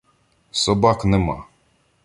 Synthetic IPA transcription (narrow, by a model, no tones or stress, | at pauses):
sɔbaknɛmɑ̰